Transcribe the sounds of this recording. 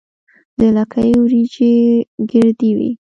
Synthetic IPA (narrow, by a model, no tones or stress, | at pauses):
d̪əlakʰajwɾid͡ʒeɡəɾd̪iwḭ